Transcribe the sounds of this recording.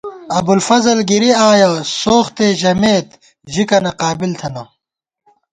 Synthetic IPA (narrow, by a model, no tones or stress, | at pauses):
ɐbulfɐzɐlɡiɾiaːjɐsoːxt̪eːʑɐmeːt̪ | ʑikɐnɐqaːbilt̪ʰɐnɐ